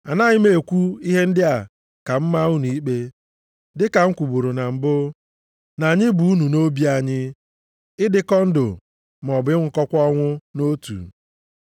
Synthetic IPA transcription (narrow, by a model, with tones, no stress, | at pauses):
a˨na˦ɲɪ˦me˨e˨kʷu˦i˦ɦe˦n̩˦dɪ˦a˨ | ka˨m̩˦ma˦ʊ˦ni˨i˦k͡pe˦ | dɪ˦ka˨ŋ̩˦kʷu˨bu˨ɾo˨na˨m̩˨bʊ˦ | na˨ɲɪ˦bu˨u˦nu˨no˦bi˦a˨ɲɪ˦ | ɪ˦dɪ˦kɔ˦n̩˦do̰˨ | m˨ɔ˨bɪ˦ŋ̩ʷ˨kɔ˦kʷɔ˦ŋʷʊ˦no˦tṵ˨